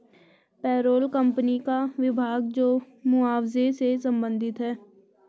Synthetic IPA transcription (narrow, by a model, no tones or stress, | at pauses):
pɛːɾoːlkə̃mpənikaʋɪbʱaːɡd͡ʒoː | mʊaːwzesesə̃mbə̃nd̪ʱɪt̪ɦɛː